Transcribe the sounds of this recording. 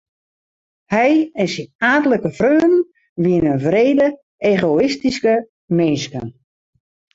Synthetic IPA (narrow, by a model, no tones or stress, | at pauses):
hɛjɛnsinaːtələkəfrøːnn | ʋiənənvreːdə | eːɣoɪstiskə | meːskən